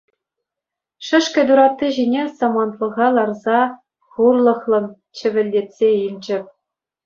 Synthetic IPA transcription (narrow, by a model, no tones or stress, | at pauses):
ʂɘ̆ʂkʲɘ̆d̪uɾɑt̪ːiʑinʲesɑmɑnt̪lˠɤ̆ʁɑlˠɑrzɑ | χurlˠɤ̆χlˠɤ̆n | t͡ɕɘ̆ʋʲɘ̆lʲːetʲsʲeilʲd͡ʑɘ̆p̚ʲ